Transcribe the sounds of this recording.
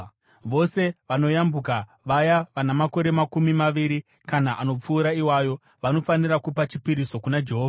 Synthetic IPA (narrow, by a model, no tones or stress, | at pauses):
ʋo̞se̞ʋano̞jambuka | ʋajaʋanamako̞ɾe̞makumimaʋiɾi | kanaʔano̞p͡fuːɾaiwajo̞ | ʋano̞fanirakupat͡ʃipiɾiso̞kunad͡ʒe̞ɦoːva